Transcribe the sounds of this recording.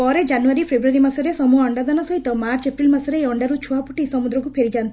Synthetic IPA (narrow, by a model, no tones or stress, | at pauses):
ɔːɾed͡ʒɐnuʋɐɾipʰebɾuʋɐɾimɐsɐɾesɐmuɐɳɖɐd̪ɐnɐsɐjt̪ɐmaːɾt͡ʃepɾilmɐsɐɾeɔɳɖɐɾut͡ʃʰuʋaːpuʈːisɐmud̪ɾɐkupʰeɾid͡ʒaːn